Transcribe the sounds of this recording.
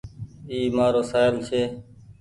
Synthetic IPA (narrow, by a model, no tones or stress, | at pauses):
iːmaːɾoːsaːɪlt͡ʃʰeː